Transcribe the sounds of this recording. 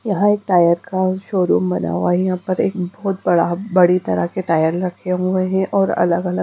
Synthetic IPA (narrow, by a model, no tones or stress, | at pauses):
jɐɦãeːk̚ʈaːjəɾkaʃoːɾṵːmbɐna̰wajɐɦãpɐɾḛːk̚bɔːt̪bɐɽabɐɽit̪ɐɾa̰keʈaːjəɾɾɐkʰeɦʊeɦɛ̃ʔɔːɾɐ̰ləɡɐlə